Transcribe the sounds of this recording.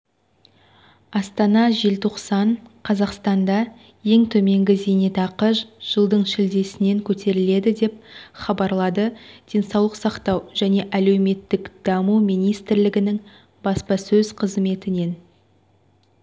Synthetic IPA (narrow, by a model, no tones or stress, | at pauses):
ɑst̪ɑnɑʒe̞lt̪ʰoqsɑɴqʰɑzɑqst̪ɑnd̪ɑ | je̞ŋt̪ʰɵme̞ŋɡʲɪzenet̪ɑqəʒʒ̥əlˠd̪əɴʃɪld̪e̞sɪne̞ŋkʲʰɵt̪e̞ɾɪle̞d̪ɪd̪e̞p̚χɑbɑɾlˠɑd̪əd̪̥e̞nsɑwlˠəqsɑqt̪ɑwʒ̥æne̞ʔæle̞wme̞t̪ːɪkd̪̥ɑmumijnijst̪ɪɾlɪɡʲɪnɪŋ | bɑspɑsɵzqʰəzme̞t̪ɪne̞n